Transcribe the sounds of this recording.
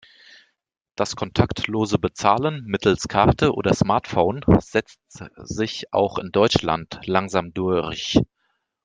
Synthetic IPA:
d̥askʰɔntʰaktloːzəbət͡saːlənmɪtl̩skʰaɐtʰəʔo̰ːdɐsmaɐtfoʊnz̥ɛt͡stz̥ɪçʔa̰ʊxɪndɔʏt͡ʃla̰ntlaŋzaːmdʊɐç

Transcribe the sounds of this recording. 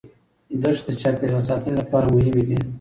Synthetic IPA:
d̪əʂd̪ət͡ʃɑpeɾasɑt̪ɪnlapɑɾamʊɦɪmed̪i

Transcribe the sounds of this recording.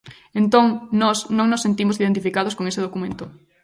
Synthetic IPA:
ent̪oŋnɔsnõŋnosːent̪imosiðẽnt̪̬ifikað̞oskoŋeseðokumẽnt̪ʊ

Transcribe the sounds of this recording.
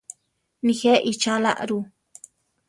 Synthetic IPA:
nixeʔit͡ʃala̰ʔɾu

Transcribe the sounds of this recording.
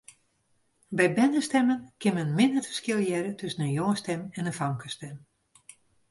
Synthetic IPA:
bɛjbɛnəstɛmənkɪnmɛnmɪndərfə̥skɪlˠjɛɾətɵsənənjɔŋəstɛmɛnəfaŋkʰəstɛm

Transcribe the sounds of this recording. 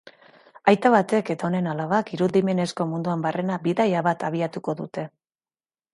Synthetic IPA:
ajt̪aβat̪e̞ke̞t̪ao̞ne̞nalaβ̞akiɾuðime̞ne̞sko̞mund̪uambare̞nabiðajaβat̪aβ̞iat̪uko̞ðut̪e̞

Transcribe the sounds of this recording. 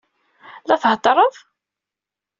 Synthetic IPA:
lɑθhd̪ˤɾˤəðˤ

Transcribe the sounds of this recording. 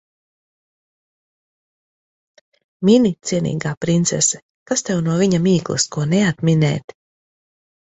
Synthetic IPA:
minit̪siɛnḭːɡaːpɾint̪sɛsɛ̥ | kast̪ɛwnuɔviɲamiːklˠɨ̰skuɔneat̪mʲinɛ̰ːt̪

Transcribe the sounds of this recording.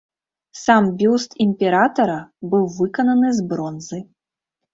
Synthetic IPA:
sambʲust̪imʲpʲɛɾat̪ɐɾɐbɨwvɨkɐnɐnɨzbɾɔnzɨ

